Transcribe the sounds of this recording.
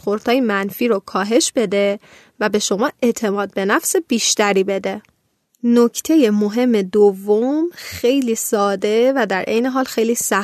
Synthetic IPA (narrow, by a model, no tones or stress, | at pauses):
xoɾd̪̥hɒːjemænfiːɾokʰɒːɦe̞ʃb̥e̞d̪e̞ | væbe̞ʃo̞mɒːe̞ʔt̪ʰe̞mɒːd̪̚be̞næfsebiːʃt̪æɾiːbe̞d̪e̞ | nocʰt̪ʰe̞je̞moɦe̞mːe̞d̪ovːomxe̞jliːsɒːd̪e̞væd̪æɾʔe̞̰jneɦɒːlxe̞jliːsæ